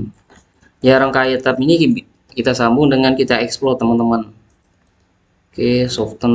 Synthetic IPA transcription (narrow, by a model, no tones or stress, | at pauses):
jaɾaŋkait̪apini | kit̪asambʊŋdəŋankit̪aɛksplɔt̪əmənt̪əmən | kesɔft̪ən